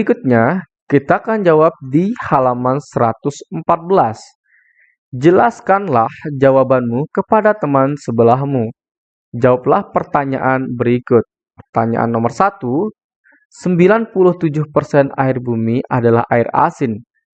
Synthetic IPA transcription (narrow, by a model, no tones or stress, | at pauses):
ikut̪̚ɲa | kit̪aːkand͡ʒawap̚dihalamansəɾat̪ʊsəmpat̪̚bəlas | d͡ʒəlaskanlahd͡ʒawabanmukəpadat̪əmansəbəlahmu | d͡ʒawaplahpərt̪aɲa̰ʔanbəɾikʊt̪̚pərt̪aɲa̰ʔa̰nːɔmərsat̪u | səmbilanpulʊht̪ud͡ʒʊhpərsɛna̰ɪrbumiʔadalahaɪra̰sɪn